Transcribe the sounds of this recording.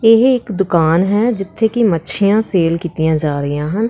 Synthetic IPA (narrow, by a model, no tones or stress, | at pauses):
ɪɦɪkd̪ʊkaːnɦɛːd͡ʒɪt̪ʰːeːkimətːʃʰɪjãːseːlkiːt̪ijãːd͡ʒaːɾəɪjãːɦən